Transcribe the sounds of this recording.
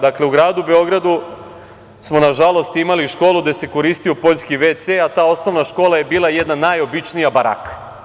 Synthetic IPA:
d̪akle̞uɡɾaːd̪ube̞o̞ɡɾad̪u | smo̞naʒalˠo̞st̪imaliʃko̞ːlˠud̪ese̞ko̞ɾiːst̪ijo̞po̞ʎskiʋet̪seat̪aːo̞sno̞ʋnaʃko̞ːlˠaje̞biːlˠajed̪nanajo̞bit͡ʃnijabaɾa̰k

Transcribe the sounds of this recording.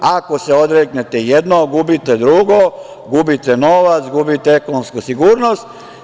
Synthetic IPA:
ako̞se̞o̞d̪ɾeknet̪ejed̪noɡubit̪e̞d̪ɾuɡo̞ | ɡubit̪eno̞ʋat̪sɡubit̪eekonomskusiɡuːɾno̞st̪

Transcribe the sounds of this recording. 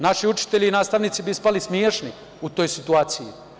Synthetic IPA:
naʃiut͡ʃi̥t̪e̞ʎiinaːst̪aʋniːt̪sibispalismjeːʃni | ut̪ojsit̪uaːt̪siji

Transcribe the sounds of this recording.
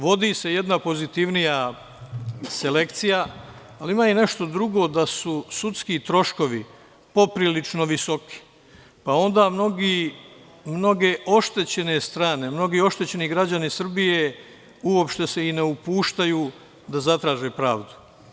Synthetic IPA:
ʋo̞d̪ise̞je̞d̪napo̞zit̪iʋnija | se̞le̞kt̪sijaː | limaːine̞ʃt̪o̞d̪ɾuɡo̞d̪asusut̪skit̪ɾo̞ʃko̞ʋi | po̞pɾilit͡ʃno̞ʋiso̞ki̥ | pao̞nd̪aːmno̞ɡi | mno̞ɡe̞ʔo̞ʃt̪e̞t͡ɕe̞ne̞st̪ɾaːne̞mno̞ɡiːo̞ʃt̪e̞t͡ɕe̞niɡɾad͡ʑanisr̩bije̞ | uo̞pʃt̪e̞se̞ine̞upuːʃt̪ajuː | d̪azat̪ɾaːʒe̞ːpɾaːʋd̪u̥

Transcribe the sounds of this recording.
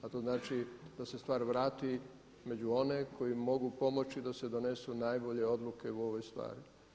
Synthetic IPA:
at̪o̞znaːt͡ʃid̪̥ase̞st̪ʋaːɾʋɾaːt̪i | med͡ʒuo̞ne̞kʰo̞jimo̞ɡupo̞mo̞t͡ʃid̪ase̞d̪o̞ne̞sunajbo̞ʎe̞o̞d̪luke̞uo̞ʋojst̪ʋa̰ːɾ

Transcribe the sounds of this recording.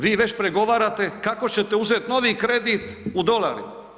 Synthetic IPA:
ʋiːʋe̞t͡ɕpɾe̞ɡo̞ʋaːɾat̪e̞kako̞t͡ɕe̞t̪e̞uzeːt̪no̞ʋiːkɾe̞d̪it̪ud̪o̞la̰ːɾim

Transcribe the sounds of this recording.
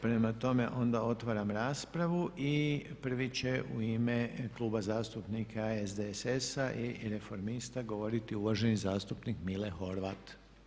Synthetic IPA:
pɾe̞mat̪o̞me̞ʔo̞nd̪ao̞t̪ʋaɾamɾaːspɾaʋuʔipr̩ʋit͡ɕe̞ṵiːme̞klˠuːbazaːst̪upnikʰaezd̪esesaʔiɾe̞fo̞ɾmist̪aɡo̞ʋo̞ɾit̪iuʋaʒe̞nizaːst̪upnikmilexo̞ɾʋat̪

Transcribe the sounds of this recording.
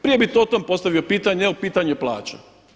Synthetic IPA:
pɾije̞bit̪ot̪ompost̪aʋio̞piːt̪aɲeopiːt̪aɲuepla̰ːt͡ɕa̰

